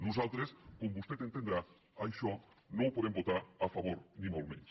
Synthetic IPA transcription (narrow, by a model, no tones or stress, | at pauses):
nus̬alt̪ɾeskombust̪et̪ent̪end̪ɾa | ajʃo | nõwpoðembot̪aɾafaβ̞oɾnĩmolmḛ̃ns